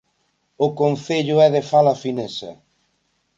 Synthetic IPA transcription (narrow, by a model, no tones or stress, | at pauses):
ʊkon̟θeʎʊɛðefalɐfinesɐ̰